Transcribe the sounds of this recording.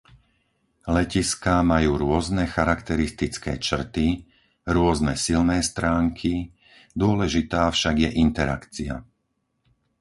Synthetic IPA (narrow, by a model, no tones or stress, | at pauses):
lɛciskamajuːɾʊɔznɛxaɾakt̪ɛɾist̪it͡skɛ̰ːt͡ʃr̩t̪i | ɾʊɔznɛsilnɛːst̪ɾaːŋkʰi | d̪ʊɔlɛʒit̪aːfʃaɡjɛʔint̪ɛɾa̰kt͡sia̰